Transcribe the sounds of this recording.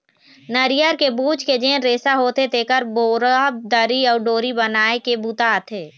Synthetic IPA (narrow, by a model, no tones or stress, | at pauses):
nəɾɪjəɾkebuːd͡ʒked͡ʒeːnɾeːsaɦoːt̪et̪eːkəɾboːɾab̚d̪əɾiɔːɾɖoːɾibənaːekebut̪aːt̪ʰeː